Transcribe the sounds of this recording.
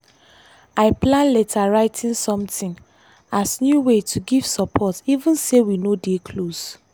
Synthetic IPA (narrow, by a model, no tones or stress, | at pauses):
aɪplãnlɛtʰaɹaɪtĩnsɔ̃mtĩn | asnjuwetʰuɡiv̥sɔpʰɔtivũnsewinodekʰlos